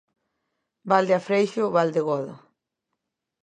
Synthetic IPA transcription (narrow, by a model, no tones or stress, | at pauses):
bald̪eafɾejʃoβald̪ɪɣoðo̰